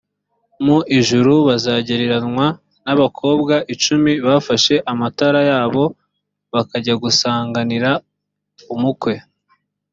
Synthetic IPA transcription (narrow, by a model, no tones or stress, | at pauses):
muʔiʒuɾuβazaːɟeɾeɾanŋwa | naβakʰo̞ːbɡaʔit͡ʃumiβaːfaʃe̞ʔamataɾajaːβo̞ | βakaɟaɡusaːŋɡaniɾa | umukwe̞